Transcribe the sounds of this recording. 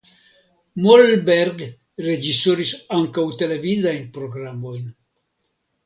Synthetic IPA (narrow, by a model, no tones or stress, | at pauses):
molbeɾɡ | red͡ʒisoɾisaŋkawt̪elavid̪aenpɾoɡɾamojn